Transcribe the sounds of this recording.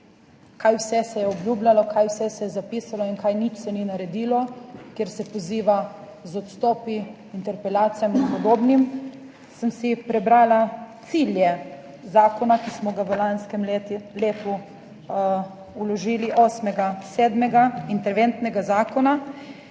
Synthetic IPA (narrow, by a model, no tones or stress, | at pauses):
kajwsɛsɛjɛɔblʲjuːblʲalɔkajwsɛsɛjɛzapiːsalɔinkajnit͡ʃsɛninaɾɛd̪iːlɔkjeɾsɛpɔziːʋa | zɔt̪st̪ɔːpi | int̪ɛɾpɛlaːt̪sijaminpɔd̪oːbnim | səmsipɾɛbɾaːlat̪siːljɛ | zaːkɔnakismɔɡaʋəlanskɛmleːt̪u | ulɔʒiːliʔoːsmɛɡasɛːd̪mɛɡaint̪ɛɾʋent̪nɛɡazaːkɔna